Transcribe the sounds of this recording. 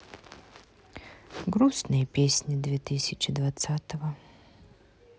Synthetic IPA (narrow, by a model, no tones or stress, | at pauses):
ɡɾusnɨjəpʲesʲnʲid̪vʲet̪ɨsʲɪt͡ɕɪd̪vat̪sat̪əvə